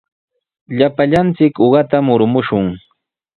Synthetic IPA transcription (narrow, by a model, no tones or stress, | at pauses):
ʎapaʎant͡sɪkoɢɑt̪amʊɾmʊʃʊŋ